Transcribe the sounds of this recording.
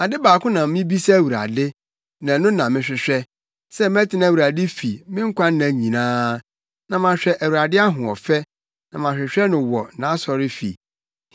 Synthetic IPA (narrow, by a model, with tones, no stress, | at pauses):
a˨dɪ˦baː˨kʊ̃˦nã˨m˦mɪ̃˦bi˦sɛ˦˨wu˨ɾa̰˨dɪ˦ | nã˨nʊ̃˦nã˨mɪ̃˦ɕᶣɪ˨ɕᶣɛ˦ | sɛ˦m˦ɛ˦tʰɪ˦nã˦˨wu˨ɾa˨dɪ˦fi˨mɪ̃˦ŋ̩˦kʷʰa˦n˦nã˨ɲĩ˨nãː˦ | nã˨mã˨ɕᶣɛ˦ʔæ˨wu˨ɾa˨dɪ˦a˦ɦʊ̃˨ɔ˨fɛ˦ | nã˨mã˨ɕᶣɪ˨ɕᶣɛ˦nʊ̃˨wɔ˨nã˨˦sɔ˨ɾɪ˦fḭ˨